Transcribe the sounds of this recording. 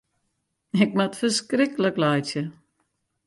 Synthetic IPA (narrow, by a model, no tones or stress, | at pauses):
ɪk̚matfərskrɪkələklajtjə